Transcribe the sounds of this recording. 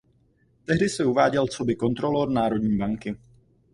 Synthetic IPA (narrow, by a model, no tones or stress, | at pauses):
t̪ɛɦdɪsɛuvaːɟɛlt͡so̞bɪko̞nt̪ɾo̞loɾnaːɾo̞dɲiːbaŋkɪ